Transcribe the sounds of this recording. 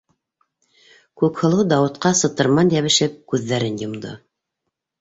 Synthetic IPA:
kʉkhɤ̆lˠɤwd̪ɑwɤ̆t̪qɑsɤ̆t̪ɤ̆ɾmɑnjæβɘ̆ʃɘp̚kʉðːæɾɘnjŏmd̪ɤ̰

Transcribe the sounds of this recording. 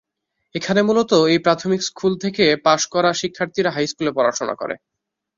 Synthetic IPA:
ekʰanemulot̪oejpɾat̪ʰomikskʰult̪ʰekepaʃkɔɾaʃikʰːaɾt̪ʰiɾaɦajskulepɔɾaɾt͡ɕona̰kɔ̰ɾḛ

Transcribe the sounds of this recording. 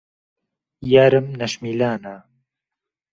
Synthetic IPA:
jaːɾɨmnɐʃmiːlaːna

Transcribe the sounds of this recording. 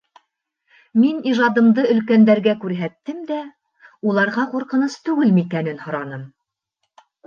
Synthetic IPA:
miniʒɑd̪ɤ̆md̪ɤɵ̆lkænd̪æɾɡækʉɾɦæt̪ːɘmd̪æ | ulˠɑɾʁɑquɾqɤ̆nɤst̪ʉɡɘlmikænɘnhŏɾɑnɤm

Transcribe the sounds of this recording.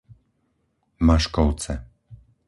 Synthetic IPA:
maʃkɔwt̪sɛ

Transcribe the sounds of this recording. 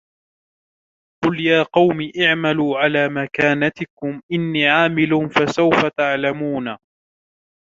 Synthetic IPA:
qʊljaːqɑwmiːʔaʕmaluːʕalaːmakaːnat̪ɪkʊmʔɪnːiːʕaːmɪlʊnfasawfat̪aʕlamuːna

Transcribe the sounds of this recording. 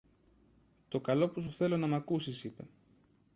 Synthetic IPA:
t̪o̞kɐlo̞pus̬uθe̞lo̞nɐmɐkusisipe̞̰

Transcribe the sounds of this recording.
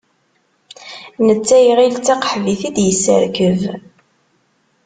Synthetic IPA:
nət͡sːæjʁilt͡sːæqə̥ħviθid̪jəsːə̰ɾkəv

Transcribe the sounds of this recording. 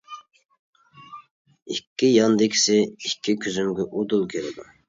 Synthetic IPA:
ikʲʰːijɑnd̪ɪkʲɪ̥sɪikʲʰːikʲʰyzymɡʲɛʔud̪ulˠkʲʰeɾɪd̪u

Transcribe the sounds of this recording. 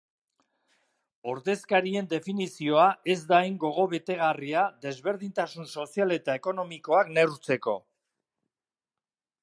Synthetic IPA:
o̞ɾðe̞skaɾie̞nd̪e̞finisio̞ae̞zd̪ajŋɡo̞ɣ̞o̞βe̞t̪e̞ɣ̞ariad̪e̞zβe̞ɾðint̪asunso̞siale̞t̪ae̞ko̞no̞miko̞akne̞ut͡se̞ko̞

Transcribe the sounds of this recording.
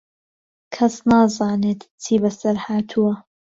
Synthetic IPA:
kʰɐsnaːzaːneːt̪t͡sʰiːbɐsɐɾhaːt̪ʰuwɐ

